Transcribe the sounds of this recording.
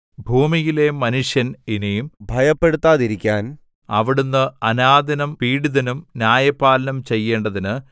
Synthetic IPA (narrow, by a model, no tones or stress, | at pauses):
bʱuːmijile̞mɐnuʂjɐninejumbʱɐjɐpːe̞ɽut̪ːaːðiɾikʲːaːn | ɐʋiɽunːɨɐnaːd̪ɐnɐmpiːɽiðɐnumnjaːjɐpːaːlɐnɐmt͡ɕe̞jːe̞ːɳɖɐðinɨ